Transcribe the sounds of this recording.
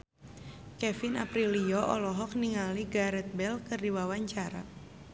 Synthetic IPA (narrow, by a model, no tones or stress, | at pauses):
kɛfina̰pɾiliɔʔɔ̰lɔɦɔk̚niŋaliɡaɾɛt̪̚bɛlkɨrdiwawaɲt͡ʃaɾa